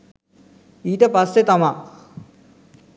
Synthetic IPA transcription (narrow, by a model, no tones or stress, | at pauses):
iːt̪epɐsːet̪ɐma